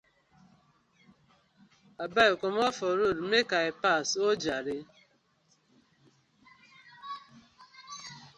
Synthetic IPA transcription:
abaekomɔfɔɾuɾmekaɪpasod͡ʒaɾɪ

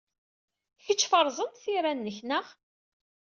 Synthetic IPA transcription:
çət͡ʃːfəɾˤzˤənt̪θiɾænːəçnəʁ

